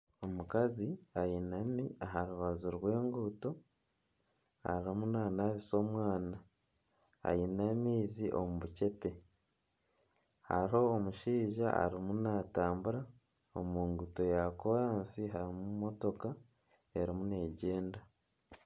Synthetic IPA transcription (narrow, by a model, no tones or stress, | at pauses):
o̞mukaziajinaniaɦaɾuβazuɾwe̞ːŋɡuto̞ | a̰ɾimunaːnaβiso̞ːmwaːna̰ː | jinamiːziʔo̞̰muβuce̞pe̞ | ha̰ɾo̞ːmuʃiːʒaʔa̰ɾimunataːmbuɾa | o̰muːŋɡuto̞jako̞ɾaːnsiɦaɾimumo̞to̞ka | e̞ɾimune̞ɟe̞ːnda